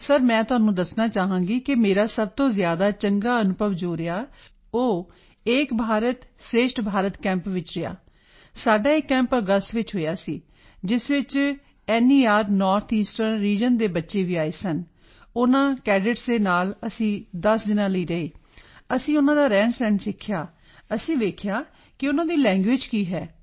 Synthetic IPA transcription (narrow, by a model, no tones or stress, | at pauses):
səɾmɛ̃ːt̪ʊɦaːnũːd̪əsnaːt͡ʃaːɦãːŋɡiːkɪmeːɾaːsəb̚t̪õːzjaːd̪aːt͡ʃəŋɡaːənʊbʱəʋd͡ʒoːɾɪjaː | oː | eːkbʱaːɾət̪sɾeːʃʈbʱaːɾət̪kɛ̃ːmpʋɪt͡ʃɾɪja̰ː | saːɖaːekːɛ̃ːmpəɡəsʈʋɪt͡ʃɦoːjaːsiː | d͡ʒɪsʋɪt͡ʃ | ɛːniːaːɾnɔːɾt̪ʰiːsʈənɾiːd͡ʒənd̪eːbətːʃeːʋiːaːeːsən | ʊnãːkɛːɖɪʈsd̪eːnaːləsĩːd̪əsd̪ɪnãːləiːɾəeːəsĩːʊnãːd̪aːɾɛːnsɛ̃ːnsɪkʰːjaː | əsĩːʋeːkʰjaː | kɪʊnãːd̪iːlɛ̃ːŋɡʋɪd͡ʒkiːɦɛː